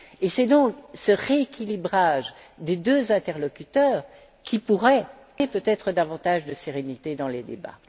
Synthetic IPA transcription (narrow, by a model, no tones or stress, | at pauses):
esɛd̪ɔ̃ksəʁeekʲilibʁaʒd̪ed̪øzɛ̃t̪ɛʁlɔkʲyt̪œːʁ | kʲipuʁɛ | epøt̪ɛt̪χəd̪avɑ̃t̪aʒd̪əseʁenit̪ed̪ɑ̃led̪ḛba̰